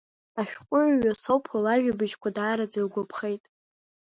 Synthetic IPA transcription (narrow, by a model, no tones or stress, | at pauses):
aʃᶣqʷʼʊʕɥasowpʰalaʒᶣabɨʒkʷʰadaːɾad͡zilɡʷopʰχe̞jtʼ